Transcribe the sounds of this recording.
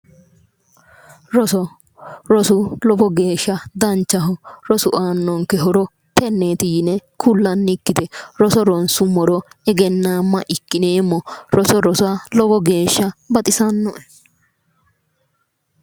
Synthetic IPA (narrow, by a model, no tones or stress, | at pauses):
ɾɔsɔ | ɾɔsʊlɔbɔɡe̞ːʃːɐd̪ɐnt͡ʃːɐɦʊɾɔsʊʔaːnːɔŋkɛɦɔɾɔ | t̪ɛnːeːt̪ɪjnɛkʰʊlːɐnːɪkːɪt̪ɛɾɔsɔɾɔnsʊmɔɾɔɛɡɛnːaːmːɐʔɪkːɪneːmːɔɾɔsɔɾɔsalɔbɔɡe̞ːʃːɐbɐt̪ʼɪsɐnːɔɛ